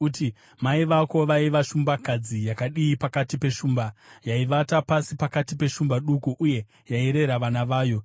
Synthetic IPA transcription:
uti | maiʋako̞ʋaiʋaʃumbakad͡zijakaɗiːpakatipe̞ʃuːmbajaiʋatapasipakatipe̞ʃumbaɗukuʔːje̞ | jaiɾe̞ɾaʋanaʋaːjo̞

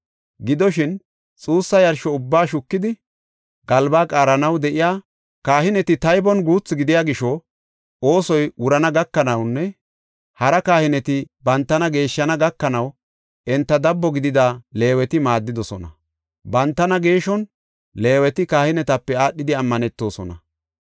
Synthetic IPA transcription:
ɡɪd̪ɔʃɪn | t͡sʼuːsːɐjɐɾʃɔʊbːaːʃʊkːɪd̪ɪ | ɡ̥ɐlbaːkʼaːɾɐnɐwd̪ɛʔɪjaː | kaːhɪnɛt̪ɪt̪ɐjbɔnɡuːt͡sːɪɡɪd̪ɪjaːɡɪʃɔ | o̞ːsɔjwʊɾɐnɐɡɐkːɐnɐwnːɛ | hɐɾɐkaːhɪnɛt̪ɪbɐnt̪ːɐnɐɡe̞ːʃːɐnɐɡɐkːɐnɐw | ʔɛnt̪ːɐd̪ɐbːɔɡɪd̪ɪd̪ale̞ːwɛt̪ɪmaːd̪ːɪd̪ɔsɔnɐ | bɐnt̪ːɐnɐɡe̞ːʃɔn | le̞ːwɛt̪ɪkaːhɪnɛt̪ɐpːɛaːɗːɪd̪ɪɐmːɐnɛt̪ːo̞ːsɔnɐ

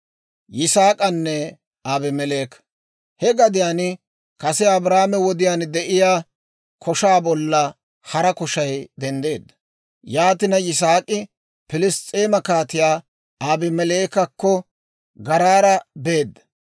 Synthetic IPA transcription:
jɪsaːkʼɐnːɛ | aːbɪmɛleːk | hɛɡɐd̪ɪjaːn | kɐsɛɐbɾaːmɛwɔd̪ɪjaːnd̪ɛʔɪjaː | kʰɔʃaːbɔlːɐ | hɐɾɐkɔʃɐjd̪ɛnd̪e̞ːd̪ːɐ̥ | jaːt̪ɪnɐjɪs̬aːkʼɪ | pɪlɪst͡sʼeːmɐkaːt̪ɪjaː | aːbɪmɛle̞ːkɐkːɔ | ɡɐɾaːɾɐbe̞ːd̪ːɐ̥

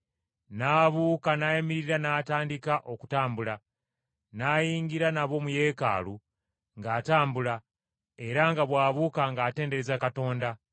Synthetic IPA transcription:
naːβuːkanajemiɾiɾanaːtaːndikaʔo̞ku̥taːmbula | naːjiːŋɡiɾanaβo̞ːmuje̞ːka̰ːlu | ŋɡaːtaːmbula | e̞ɾaŋɡaβwaːβuːkaŋɡaːte̞ːndeɾezakato̞ːnda

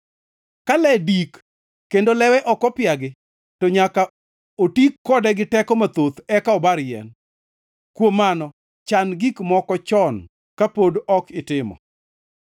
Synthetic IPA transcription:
kalɛdikː | endolɛwɛʔɔkɔpɪaɡɪ | toɲaka | otikːɔdɛɡɪtɛkɔmat̪ot̪ɛkaɔbaɾjɛ̰n | kwomanɔ | t͡ʃanɡikmɔkɔt͡ʃɔn | kapodɔkɪtɪmɔ̰

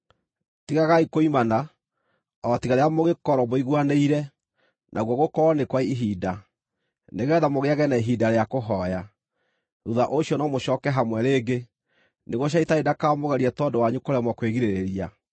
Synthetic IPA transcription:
tiɣaɣaikoimana | ɔtiɣaɾeamoɣekɔɾɔboiɣwaneiɾɛ | nʔaɣwɔɣokɔɾɔnekwaiiɦida | neɣɛðamoɣeaɣɛnaiɦidaɾeakoɦɔja | ɾuðaʔoɕiɔnɔmoɕɔːkɛɦamwɛɾeːɡe | neɣoɕ̬aitaedakamoɣɛɾiɛtɔdowaɲukoɾamwɔkweɣiɾeɾeɾia

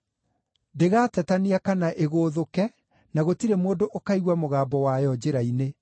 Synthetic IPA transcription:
deɣatɛtaniakanaʔeɣoːðokɛ | naɣotiɾemoːdoʔokaiɣwamoɣaːbɔwajɔd͡ʑeɾaine

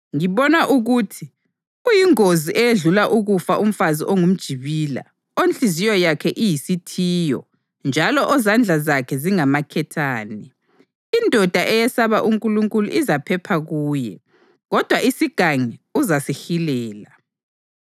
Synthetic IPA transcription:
ŋiβɔnaʔuɣuːtʰi | ɣujiŋoziʔɛjeɮulaʔuɣufaʔum̩faziʔɔŋum̩d̥ʒ̥ʱiβiːla̰ | ont͡ɬʼizijɔjakʰɛʔijisitʰiːjɔ̰ | nd͡ʒʱalɔʔɔzand͡ɮʱazakʰɛziŋamakʰɛtʰaːnɛ | indʱɔd̥ʱaʔɛjɛsaβaʔuŋkʼuluŋkʼuluʔizapʰɛpʰaɣuːjɛ | ɣɔd̥ʱwaʔisiɡ̥ʱaŋɛuzasixilɛːla

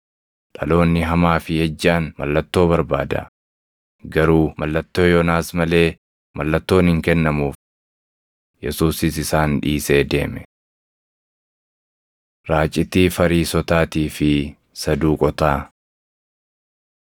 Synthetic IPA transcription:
ᶑɐlo̞ːnːɪɦɐmaːfɪhɛd͡ʒːaːnmɐ̰lːɐt̪ːo̞ːbɐɾba̰ːd̪ɐ̰ | ɡɐɾuːmɐlːɐt̪ːo̞ːjɔnaːsmɐle̞ː | mɐlːɐt̪ːo̞ːnhɪŋkɛnːɐmuːf | jɛ̰suːsɪsɪsaːnᶑiːse̞ːd̪e̞ːmɛ | ɾaːt͡ʃʼɪt̪iːfɐɾiːsɔt̪aːt̪iːfɪ | sɐd̪uːkʼɔt̪aː

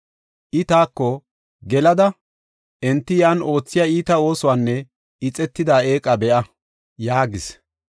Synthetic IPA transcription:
ʔɪt̪aːkːɔ | ɡɛlɐd̪ɐ | ʔɛnt̪ːɪjaːno̞ːt͡sːɪjaːiːt̪ɐo̞ːsʊwaːnːɛ | ɪt͡sʼɛt̪ːɪd̪aːeːkʼɐbɛʔɐ | jaːɡɪs

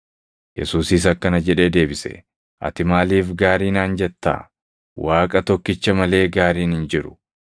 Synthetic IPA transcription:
jɛ̰suːsɪs̬ɐkːɐnɐd͡ʒɛᶑe̞ːd̪e̞ːbɪsɛ̰ | ʔɐ̰t̪ɪmaːliːfɡaːɾiːnaːnd͡ʒɛt̪ːa̰ː | waːkʼɐt̪ɔkːɪt͡ʃːɐmɐle̞ːɡaːɾiːnhɪnd͡ʒɪɾʊ̥

